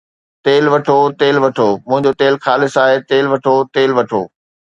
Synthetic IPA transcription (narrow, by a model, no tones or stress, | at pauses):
t̪eːlʋɐʈʰot̪eːlʋɐʈʰoːmʊ̃ɦɪ̃ɲd͡ʑot̪eːlxaːlɪsaːɦet̪eːlʋɐʈʰot̪eːlʋɐʈʰo̰ː